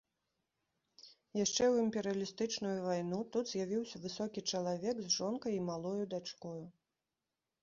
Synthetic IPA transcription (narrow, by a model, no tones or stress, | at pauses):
jaʂt͡ʂɛwimpʲɛɾɨjɐlʲist̪ɨt͡ʂnujuvajnut̪ud̪zʲjavʲiwsʲɐvɨsɔkʲit͡ʂɐlˠavʲɛkzʐɔnkɐjimalˠɔjud̪at͡ʂkɔju